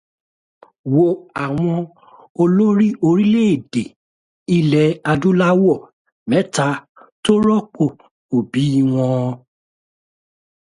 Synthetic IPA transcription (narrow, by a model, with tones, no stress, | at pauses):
wo˨a˨w̃ɔ̃˧ | o˧lo˦ɾi˦ʔo˧ɾi˦le˦e˦˨de˨ | i˧lɛ˨a˧du˦la˦wɔ˦˨ | mɛ̃˨˦ta˧˦ | to˦ɾɔ˦k͡po˦˨ | o˨bi˨˦i˦˨w̃ɔ̃˧